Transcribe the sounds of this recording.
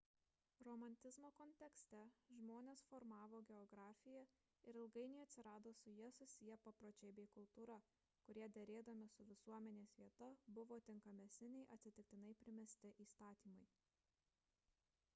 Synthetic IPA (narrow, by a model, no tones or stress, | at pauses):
ɾɔmɐnʲt̪ʲɪzmoːkɔnʲt̪ʲɛksʲt̪ʲɛʒmoːnʲeːsfɔɾmɑːʋoːɡʲɛɔɡɾɑːfʲɪjɛ | ɪɾɪlˠɡɐɪnʲɛɪɐt̪ʲsʲɪɾɑːd̪oːsʊjiɛsʊsʲɪjɛpɐpɾoːt͡ʃʲɛɪbʲɛɪkʊlˠt̪uːɾɐ | kʊɾʲiɛd̪ʲɛɾʲeːd̪ɐmʲɪsʊʋʲɪsuɔmʲɛnʲeːsʋʲiɛt̪ɐbʊʋoːt̪ʲɪŋkɐmʲɛsʲnʲɪnʲɛɪʔɐt̪ʲsʲɪt̪ʲɪk̚t̪ʲɪnɐɪpʲɾʲɪmʲɛsʲt̪ʲɪʔiːst̪ɑːt̪ʲiːmɐɪ